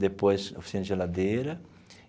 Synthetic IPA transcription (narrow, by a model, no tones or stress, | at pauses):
d̪epojso̰fi̥sinɐʒelad̪eɾɐ